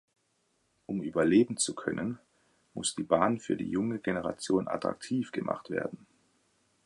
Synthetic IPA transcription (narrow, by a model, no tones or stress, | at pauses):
ʔʊmʔyːbɐleːbm̩t͡sukʰœnən | mʊ̰sd̥iːbaːnfyːɐdḭːjʊŋəɡenəʁ̞a̰t͡sjoːna̰tʁ̥a̰k̚tʰiːfɡ̥əmʔa̰χtv̥ḛːɐdn̩